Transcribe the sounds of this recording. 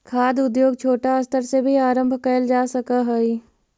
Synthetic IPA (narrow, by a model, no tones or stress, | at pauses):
kʰaːd̪ʊd̪joːɡt͡ʃʰoːʈaɐst̪ʰəɾsebʱiaːɾə̃mbʱkəjld͡ʒaːsɐkaɦɛi